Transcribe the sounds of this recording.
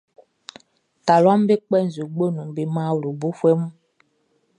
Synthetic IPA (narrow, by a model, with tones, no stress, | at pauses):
ta˨lwa˦m˦be˦k͡pɛ˦˨n̩˨zu˨ɡ͡bo˦nũ˨m˨be˨ma˦˨wɾo˨bo˦fwɛ˦mu˦